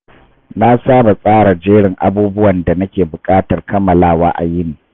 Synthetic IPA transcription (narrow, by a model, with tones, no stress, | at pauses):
na˦saː˦ba˨sʼaː˦ɽa˨d͡ʒeː˦ɽɪ˨ŋʔa̰˦buː˦bʊ˦wɐ˨nda˨nɐ˦kʲeː˨bʊ˨kʼaː˦tɐ˨rkɐ˦mːɐ˨laː˦wa̰ː˦ʔa̰˨jɪ˦niː˨